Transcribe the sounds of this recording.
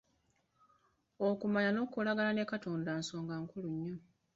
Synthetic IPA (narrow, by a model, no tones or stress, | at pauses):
okumaɲano̞kolaɡalane̞kato̞ːndaːnso̞ːŋɡaːŋkuluɲːo